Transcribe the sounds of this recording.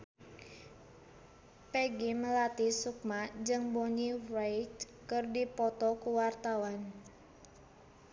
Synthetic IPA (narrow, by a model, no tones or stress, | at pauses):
peɡiməlat̪isuk̚mad͡ʒɨŋboɲirejt͡ʃ | kɨrdipɔt̪ɔkuwart̪awan